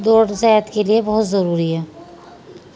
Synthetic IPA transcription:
d̪oːɽsɛːət̪keliebɔɦʊt̪zɐɾuːɾiɦɛː

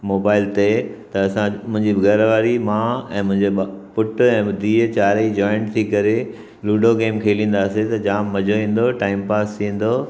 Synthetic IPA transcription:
moːbaːɪlt̪et̪ɐɐsãmʊ̃ɦɪ̃ɲd͡ʑiɡɐɾʋaːɾimãːɛ̃ːmʊ̃ɦɪ̃ɲd͡ʑepʊʈɛ̃ːbʊd̪ʱiːt͡ɕaːɾəid͡ʑɔːɪɳʈt̪ʰikɐɾe | luːɖokeːmkʰeːlĩːn̆d̪aːset̪ɐd͡ʑaːmːɐd͡ʑʱoʋĩːn̆d̪oʈaːɪmpaːst̪ʰĩːn̆d̪o

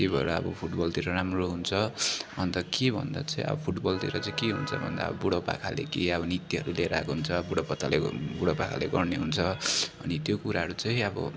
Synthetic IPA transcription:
ebʱʌeɾʌʌ̰bʌpʰuʈbʌlt̪iɾʌɾamroɦunt͡sʰʌʌnt̪ʌkebʱʌ̰nd̪at͡sʌ̃ĩʌ̰bʌpʰuʈbʌlt̪iɾʌt͡sãĩkiɦṵnt͡sʰʌ̰bʱʌ̰nd̪a̰bʌbuɽʌpa̰kʰa̰lḛkiʌbʌnit̪iɦʌɾuleɾa̰kɦunt͡sʰʌbuɽʌpʌt̪ːalebuɽʌpakʰa̰leɡʌrneɦunt͡sʰʌʌnit̪jokuɾaɦʌɾut͡saĩʌbʌ̰

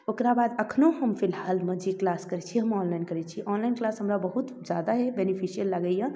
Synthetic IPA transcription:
okɾabad̪əkʰnoɦəmpʰilɦalmed͡ʒeklaskəɾɛt͡ʃʰiɦəmɔnlajinkəɾɛt͡ʃʰiʔɔnlainklasɦəmɾabəɦut̪ | d͡ʒad̪aɦebenipʰisijəlːaɡəjã

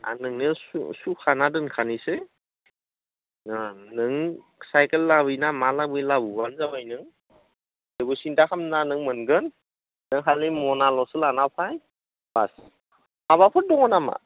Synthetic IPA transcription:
a̰nɯŋnɯsṵsukʰanadɯnkʰanise | nɯŋ | sajkelːabɯjnamalabɯjlabɯbanzabajnɯŋ | debusintakʰamnanɯŋmɯnɡɯnː | ɯŋɦalːimɔnalɔsɯlanapʰaj | b̥a̰s | aβapʰɯt̚dɔŋɔnama̰

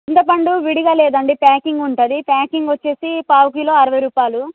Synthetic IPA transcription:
int̪ɐpɐɳɖuʋiɽiɡaːlɛːd̪ɐɳɖipaːkiŋɡuɳʈɐd̪ipaːkiŋɡʋɐt͡ʃːe̞ːsipaːwk̬iloːɐɾɐʋɐjɾuːpaːlu

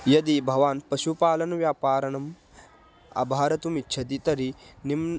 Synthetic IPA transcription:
jɐd̪ibʱɐʋaːnpɐʃupaːlɐnɐʋjaːpaːɾɐnɐm | ɐ̰bʱaːɾɐt̪umitːt͡ʃʰɐt̪it̪ɐɾinim

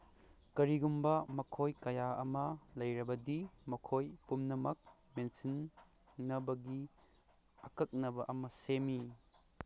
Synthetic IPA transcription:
kɐɾiɡumbɐmɐkʰojkɐjaɐmɐlɐjɾɐbɐdimɐkʰojpumnɐmɐk̚ | mensinː | ɐbɐɡi | ɐkɐk̚nɐbɐʔɐmɐsemi

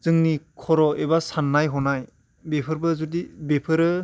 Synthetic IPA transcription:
z̥ɯŋnikʰɔɾɔʔebasanːajɦɔnaj | bepʰɯɾbɯzudibepʰɯɾɯ

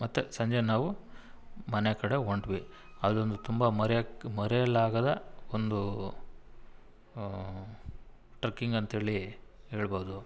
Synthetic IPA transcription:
mɐt̪ːesɐɲd͡ʒenaːʋu | mɐnekɐɽeɦoɳɖʋi | ɐd̪o̞nd̪ut̪umbɐmɐɾmɐɾejɐlaːɡɐd̪ɐond̪u | ʈɾɐkːiŋɡɐnt̪ɦeːɭiɦeːɭbɐɦud̪u

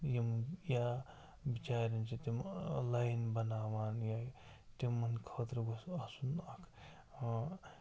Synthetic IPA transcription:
jimja | bit͡ʃaːɾɐnt͡ʃit̪imlajnbɐnaːʋaːnja | t̪imːɐnkʰɐːt̪ɾɐɡosasunɐkʰː

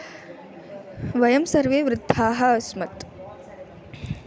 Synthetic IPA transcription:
ʋɐjɐmsɐɾʋeːʋɾɪd̪ʱːaːɦɐːsmɐt̪

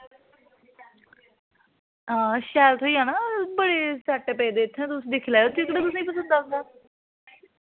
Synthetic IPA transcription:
ãːʃɛːlt̪ʰɦoiːaːnaːbəɽeːsɛːʈːeːpɛːd̪eːt̪ʰːɛ̃ːt̪ʊsĩːd̪ɪkʰlaːot͡ʃɪkɽaːt̪ʊs̬ːĩːpəsə̃nd̪aːod̪aː

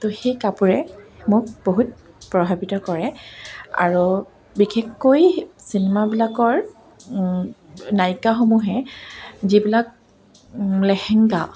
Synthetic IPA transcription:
toxejkapuɹɛmʊk̚boɦut̚ | pɹɔbʱabitɔkɔɹɛ | a̰ɹu | bixexːojsinɛmabilakɔɹ | najkaxomuɦɛ | zibilak̚ | lɛxɛŋɡa

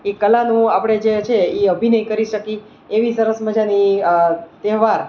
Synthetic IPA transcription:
ekəlanũapɽ̃ed͡ʒet͡ʃʰeiəbʱinəikəɾiʃəki | eʋisəɾəsməd͡ʒani | t̪ɛɦʋaɾ

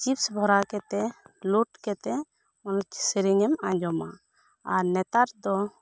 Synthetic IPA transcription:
t͡ʃipsbʱɔɾakɛt̪ɛluʈkɛt̪ɛ | ɔnɔt͡ʃsiɾiŋɛmãd͡ʒɔma̰ | aɾnɛt̪aɾd̪ɔ

